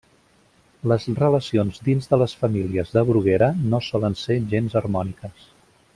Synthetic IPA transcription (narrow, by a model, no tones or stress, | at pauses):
ləzrələsionzd̪inzðələsfəmiliəzðəβɾuɣeɾənosɔlənseʒenzərmɔnikəs